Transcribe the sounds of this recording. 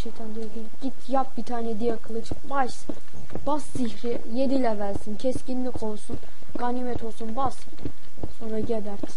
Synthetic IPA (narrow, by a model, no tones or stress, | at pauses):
ʃejt̪ʰand̪ijokʰiɟ̥it̪ʰjap̚bit̪ʰaːnɛd̪ijakʰɯlˠɯt͡ʃ | baʃ | b̥asːiçɾi | jed̪ilʲɛvælʲsincʰɛscinlʲikʰo̞lˠsun | ɡanimɛt̪ʰo̞lˠsunbas | so̞nɾaɟed̪æɾt̪